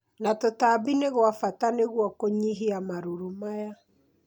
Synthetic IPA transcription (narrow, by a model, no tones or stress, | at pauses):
natotabineɣwafataneɣwɔkoɲiɦiamaɾuɾumaja